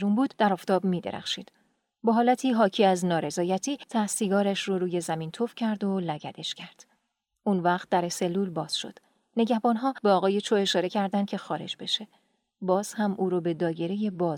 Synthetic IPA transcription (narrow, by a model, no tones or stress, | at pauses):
ɾunbuːd̪̥d̪̥æɾɒːft̪ʰɒːbmiːd̪ḛɾæ̰xʃiːd̪̥ | beɦɒːlæt̪ʰiːɦɒːcʰiːæznɒːɾe̞zɒːjæt̪ʰiːt̪ʰæsiːɡɒːɾæʃroɾuːje̞zæmiːnt̪ʰofcʰæɾd̪o̞læɟæd̪e̞ʃcʰæɾd̪̥ | unvæχt̪̚d̪æɾese̞lːuːlbɒːz̥ʃo̰d̪̥ | ne̞ɟæhbɒːnɦɒːbeɒːɣɒːje̞t͡ʃʰoe̞ʃɒːɾe̞cʰæɾd̪æn̥̚cʰe̞xɒːɾe̞̰d͡ʒbe̞ʃe | bɒːz̥hæmʔuːɾɔbe̞d̪ɒːje̞ɾe̞je̞bɒːz